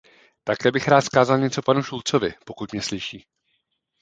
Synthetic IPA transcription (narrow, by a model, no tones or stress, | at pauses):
t̪akɛːbɪxɾaːt̪skaːzalɲɛt͡so̞panuʃult͡so̞vɪpo̞kut̪mɲɛslɪʃiː